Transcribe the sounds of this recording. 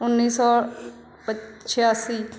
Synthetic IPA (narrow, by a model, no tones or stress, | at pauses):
ʊnːiːsɔː | pət͡ʃʰjaːsiː